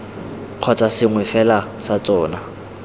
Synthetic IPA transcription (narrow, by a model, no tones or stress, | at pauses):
q͡χʰɔt͡sʼasɪŋwɪfɛlasat͡sʼɔːna